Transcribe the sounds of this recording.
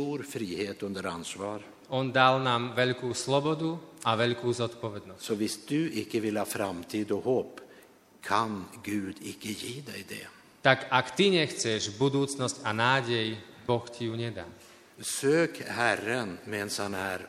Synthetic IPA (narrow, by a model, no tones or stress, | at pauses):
t̪uːɾfɾiːheːt̪ɵnd̪əɾansvɑːɾ | ɔnd̪alnaːmʋɛʎkuːslɔbɔd̪uaʋɛʎkuːzɔt̪pɔʋɛd̪nɔssɔvɪsd̪ɵɪkːəvɪlhɑːfɾamt̪ʰiːd̪ɔhoːp | kʰanɡʉ̟ːd̪ɪkːəjiːd̪ɛjd̪ɛ̰ | t̪akakt̪iɲɛxt͡sɛʒbud̪uːt͡snɔscanaːɟɛj | bɔxcijuɲɛd̪a̰ː | søːkhærənmɛːnshanæːɾ